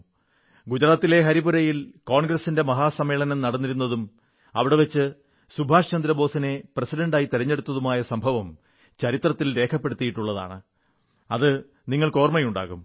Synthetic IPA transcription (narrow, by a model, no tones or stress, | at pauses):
ɡud͡ʑɐɾaːt̪ːile̞ɦɐɾibuɾɐjilkoːɳɡɾɐsinde̞mɐɦaːsɐmːeːɭɐnɐmnɐɽɐnːiɾun̪ːɐðum | ɐʋiɽe̞ʋet͡ɕːɨ | subʱaːʂt͡ɕɐnd̪ɾɐbo̞ːsɐne̞prɐsiɾɐɳɖaːjit̪iɾɐɲːe̞ɽut̪ːɐðumaːjɐsɐmbʱɐʋɐm | t͡ɕɐɾit̪rɐt̪ːilɾe̞ːkʰɐpːe̞ɽut̪ːijiʈːuɭːɐða̰ːɳɨ | ɐðɨ | niŋːɐɭko̞ːrmɐjuɳɖa̰ːɣum